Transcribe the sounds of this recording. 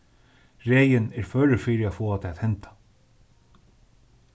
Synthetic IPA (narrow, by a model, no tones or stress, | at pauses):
ɾeːjɪnɛɾ̥fœːɾɪfiːɾɪafoːat̪ʰɛːat̪hɛnt̪ḁ